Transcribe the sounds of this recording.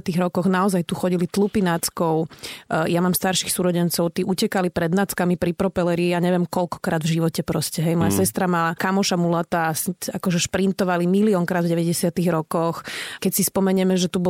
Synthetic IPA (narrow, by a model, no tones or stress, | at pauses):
t̪iɣɾɔkɔɣnaɔzajt̪uxɔɟilit̪lupinat͡skɔʊjamaːmst̪aɾʃixsuɾɔɟɛnt͡sɔʊt̪iʔucɛkalipɾɛd̪nat͡skamipɾipɾɔpɛlɛɾiːaɲɛʋjɛmkɔlkɔ̥kɾaːd̪vʒiʋɔcɛpɾɔscɛɦɛjmɔjasɛst̪ɾamalakamɔʃamulat̪asakɔʒɛʃpɾint̪ɔʋalimiliɔŋkɾaːd̪vɟɛʋɛɟɛsɪat̪iɣɾɔkɔxkɛcsispɔmɛɲɛmɛʒɛt̪ubɔ